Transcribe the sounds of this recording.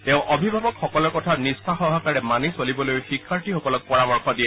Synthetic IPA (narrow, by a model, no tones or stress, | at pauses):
tɛ̃ʊ̃ʔɔbʱibʱabɔkxɔkɔlɔɹkɔtʰanistʰaxɔɦakaɹɛmanisolibɔlojxikʰːaɹtixɔkɔlɔk̚pɔɹamɔɹxɔdijɛ